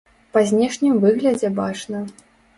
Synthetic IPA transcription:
pɐzʲnʲɛʂnʲimvɨɣlʲɐd͡zʲɛbat͡ʂnɐ

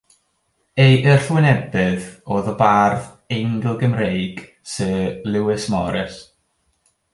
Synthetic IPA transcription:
ejʔərɬwɪnɛbɨðoːðɔbarð | ɛŋɡəlˠɡəmrejɡ̥ | səlˠɪwɪsmɔɾɛs

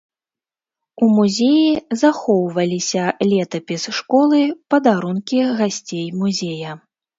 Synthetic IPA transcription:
umuzʲejizaxɔwvɐlʲisʲɐlʲɛt̪ɐpʲisʂkɔlˠɨpɐd̪aɾunkʲiɣasʲt͡sʲejmuzʲejɐ

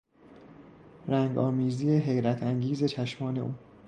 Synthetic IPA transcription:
ɾæŋɡɒːmiːziːeɦe̞jɾæt̪ʰæŋɟiːze̞t͡ʃʰæʃmɒːne̞̰ʔuː

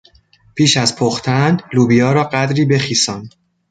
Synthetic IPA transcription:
pʰiːʃæzpʰoxt̪ʰænd̪luːbijɒːɾɒːɢæd̪ɾiːbe̞χiːsɒːn

